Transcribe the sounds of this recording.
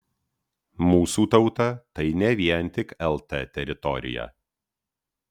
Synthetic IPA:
muːsuːt̪ɐʊt̪ɐt̪ɐɪnʲɛʋʲiɛnʲˑt̪ʲɪkɛlˠt̪ɛt̪ʲɛɾʲɪt̪ɔɾʲɪ̰jɛ̰

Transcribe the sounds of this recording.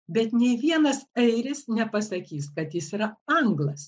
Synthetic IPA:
bʲɛt̪nʲɛɪʋʲiɛnɐsɐɪɾʲɪsnʲɛpɐsɐkʲiːskɐt̪jɪsiːɾɐɐŋɡlˠɐs

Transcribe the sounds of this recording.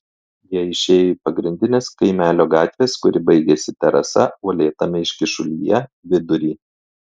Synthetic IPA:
jiɛɪʃʲeːjipɐɡɾʲɪnʲd̪ʲɪnʲeːskɐɪmʲæːlʲoːɡɑːt̪ʲʋʲeːskʊɾʲɪbɐɪɡʲɛsʲɪt̪ʲɛɾɐ̰sɐoːlʲeːt̪ɐmʲɪɪʃʲkʲɪʃʊlʲijɛʋʲɪd̪ʊɾʲiː

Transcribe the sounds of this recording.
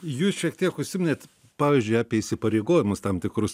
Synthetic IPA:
juːsʃʲiɛkt̪ʲiɛkʊʃʲsʲɪmʲɪnʲeːt̪ | pɑːʋʲiːzʲd͡ʒʲʊɪɑːpʲiɛɪʃʲsʲɪpɐɾʲeɪɡoːjʲɪmʊst̪ɐmt̪ʲɪkɾʊs

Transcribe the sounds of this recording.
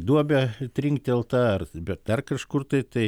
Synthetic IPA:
d̪uɔbʲɛt̪ʲɾʲɪŋkt̪ʲɛlˠt̪ɑːɐrbʲɛt̪̚d̪ɐrkɐʃkʊrt̪ɐɪt̪ɐɪ

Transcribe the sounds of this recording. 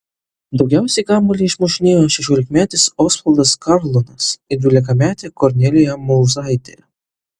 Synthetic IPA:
d̪ɒʊɡʲɛˑʊsʲɛɪɡɑːmɔlʲiːɪʃmɔʃʲɪnʲeːjoːʃʲɛʃʲoːlʲɪkmʲæːt̪ʲɪsɔːsfɐlˠd̪ɐskɐɾlˠɔnɐsɪd̪ʲʋʲɪlʲɪkɐmʲæːt̪ʲeːkɔɾʲnʲɛlʲɪjɛmɔʊzɑˑɪt̪ʲḛ

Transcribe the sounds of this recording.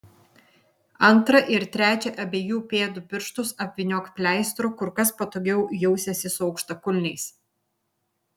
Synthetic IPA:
ɐnˑt̪ɾɐʔɪɾt̪ʲɾʲæːt͡ʃʲɛʔɐbʲeːjuːpʲeːd̪ʊpʲɪɾʃt̪ʊsɐpʲʋʲɪnʲoːkpʲlʲæɪst̪ɾoːkʊɾkɐspɐt̪oːɡʲɛʊjɛʊsʲɛsʲɪsʊɒʊkʃt̪ɐkʊlʲnʲɛɪs

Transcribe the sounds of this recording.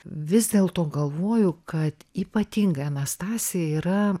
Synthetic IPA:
ʋʲɪzd̪ʲeːlˠt̪oːɡɐlˠʋoːjʊkɐt̪iːpɐt̪ʲiŋɡɐɐnɐst̪ɑːsʲɪjɛiːɾɐ

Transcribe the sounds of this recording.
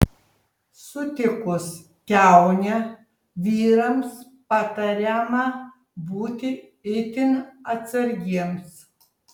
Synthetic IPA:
sʊt̪ʲɪkʊs | kʲæˑʊnʲɛ | ʋʲiːɾɐms | pɐt̪ɐɾʲɛmɐ | buːt̪ʲɪ | ɪt̪ʲɪnɐt̪sɐɾʲɡʲiɛms

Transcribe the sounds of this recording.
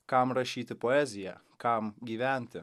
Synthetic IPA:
kɑmɾɐʃʲiːt̪ʲɪpɔɛzʲɪjɛ̰ | kɑmɡʲiːʋʲɛˑnʲt̪ʲɪ

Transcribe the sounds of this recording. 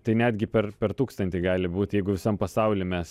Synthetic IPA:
t̪ɐɪnʲæd̪ʲɡʲɪpʲɛrpʲɛrt̪uːkst̪ɐnt̪ʲiɡɑːlʲɪbuːt̪jɛɪɡʊʋʲɪsɐmpɐsɐʊlʲɪmʲɛs

